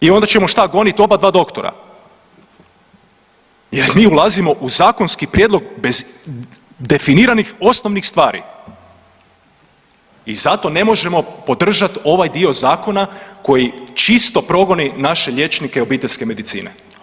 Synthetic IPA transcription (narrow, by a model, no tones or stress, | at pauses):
io̞nd̪at͡ʃemo̞ʃt̪aɡo̞nit̪o̞bad̪ʋaːd̪o̞kt̪oɾa̰ | jeɾmiːulˠazimo̞ʔuzaːko̞nskipɾjed̪lˠo̞ɡ̚be̞z | d̪e̞finiːɾanixo̞sno̞ʋnixst̪ʋaːɾḭ | izat̪o̞ne̞mo̞ʒe̞mo̞po̞d̪r̩ʒat̪o̞ʋajd̪io̞zaːko̞nako̞jit͡ʃist̪o̞pɾo̞ɡo̞ninaʃe̞ʎʲje̞t͡ʃnikeo̞biːt̪eʎʲske̞me̞d̪it̪sḭːnḛ